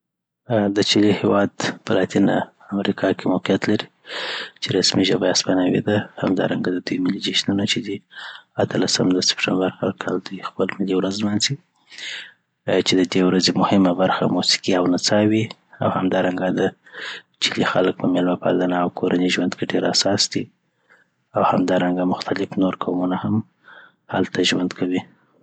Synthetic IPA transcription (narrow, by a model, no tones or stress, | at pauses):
d̪ət͡ʃilihewɑd̪pəlɑt̪ina̰ | amɾikʰɑkʰemoqjat̪laɾi | t͡ʃeɾasmiʒəbaaspanawḛd̪ahamd̪ɑ̰ɾa̰ŋɡad̪əd̪ujmɪlid͡ʒeʃnunat͡ʃed̪iat̪ʰəlasəmd̪əsɪ̥pʈambaɾhaɾkʰɑld̪ujxpəlmɪliwɾazmanzi | t͡ʃed̪əd̪ewɾazemʊhɪmabaɾxa̰musi̥kiawnat͡sɑwi | a̰whamd̪ɑɾaŋɡad̪ə | t͡ʃilixalək̚pəmelmapa̰lanaːwkʰoɾaniʒwand̪keɖeɾasɑsd̪i | awhamd̪ɑɾaŋɡamʊxt̪ʰalɪfnoɾkʰamunaham | halt̪ʰaʒwand̪kʰawi